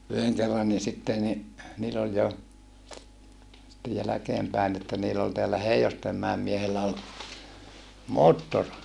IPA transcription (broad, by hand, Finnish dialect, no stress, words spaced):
yheŋ kerːɑnːi sitːe ni niːl olʲ jo ste jælækeːmpæin etːæ niːl ol teælːæ heiostemːæem miehelːæ ol moːtːor